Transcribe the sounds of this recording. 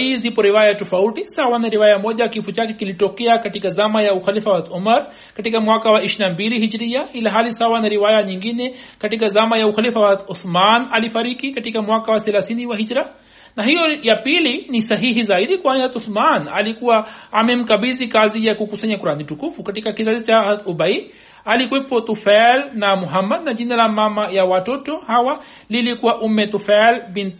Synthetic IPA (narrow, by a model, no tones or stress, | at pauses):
izipoɾiʋaːjaʈufɐuʈisawanɐɾiʋaːjamoːd͡ʒakifut͡ʃakikiliʈokijakɐʈikazamajauxɐlifaʋat̪ʊmɐɾ | kɐʈikamʊakawaɪʃnabiːliɦɪd͡ʒɾijailaɦaːlisawanɐɾiʋaːjaɲĩŋɡinekɐʈikazamajauxɐlifaʋat̪ʊsmaːnɐlifɐɾiːkikɐʈikamʊakawaselasiːniwaɦɪd͡ʒɾa | naɦijojapilinisɐɦiɦizaid̪ikuanihɦɐat̪usmaːna̰likuwaːmem̩kɐbizikaːzijakukusaɲakuɾaːniʈukufukɐʈikakizad̪it͡ʃaaɐt̪ubɐi | alikuwepot̪ufɛlnamʊɦɐmːɐd̪̚nad͡ʒinalamamajawatotohawa | lilikuwaʔumːet̪ufɛlbin